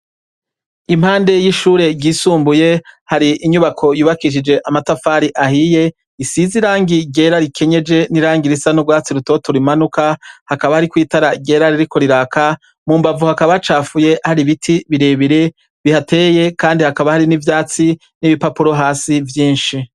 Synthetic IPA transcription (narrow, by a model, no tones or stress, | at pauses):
imhaːnde̞jiʃuːɾe̞ɡɟiːsuːmbuje̞haɾiʔiɲuβakʰo̞juːβakiʃ̬id͡ʒe̞ʔamatafaːɾiʔahije̞ | isiziɾaːŋɡiɡɟe̞ːɾaɾikʰe̞ɲe̞d͡ʒe̞niɾaːŋɡiɾisanubɡwaːt͡siɾuto̞toɾimanukahakaβahaɾikwiːtaɾaɟe̞ːɾaɾiɾiko̞ɾiɾaːka | muːmbavuhakaβat͡ʃaːfuje̞haɾiβitʰiβiɾe̞ːβiɾe̞ | βihate̞ːje̞kaːndihakaβahaɾinivjaːt͡si | niβipapuɾo̞ɦaːsivjiːnʃi